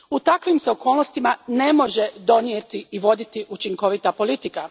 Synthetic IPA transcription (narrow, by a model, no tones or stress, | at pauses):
ut̪akʋimseo̞ko̞ːlˠnost̪imane̞mo̞ʒed̪o̞njet̪iiʋo̞d̪it̪iʔut͡ʃiŋko̞ʋit̪apo̞lit̪ika